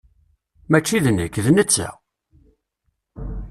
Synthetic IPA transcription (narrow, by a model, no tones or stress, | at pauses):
mæt͡ʃːiðənːəkːðnət͡sːæ̰